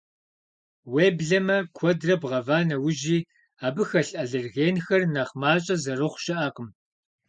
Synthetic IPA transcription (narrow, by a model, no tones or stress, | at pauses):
weːbɮɐmɐkʷʰɔdrɐbʁɐvaːnɐwʊʒiː | aːbɨxɐɬʼʔɐɮɨrɣeːnxɐrnɐχmaːt͡ʃʼɐzɐrɨχʷʃɐʔaːqəm